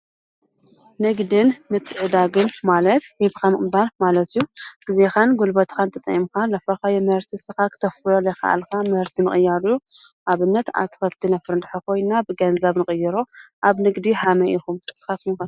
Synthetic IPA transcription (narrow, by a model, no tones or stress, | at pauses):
nɨɡd̪ɨnmɨt̪ʰːɨʕɨd̪aɡɨnmalɐt̪wibkʰamɨɨmbalmalɐt̪ɨjːuɡɨzexanɡulbɐt̪kant̪ʰɐt̪ʼɐ̰jimkalɐfɐkajɛmɨhɨɾt̪ʰisɨxakɨ̥t̪ʰɐfɨjolːɐxa̰ʔa̰lkʰamɨhɨɾt̪ʰimɨχʼɨjːaɾuʔaβɨnːɐt̪a̰t̪ʰːɨ̥xɐlt̪ʰinafɨɾɨnd̪ħakʰo̞jnːabɨɡɐnzaβnɨkʼɨjːɨɾoʔaβnɨɡd̪iħamɐʔixumɨsɨ̥xat̪mukan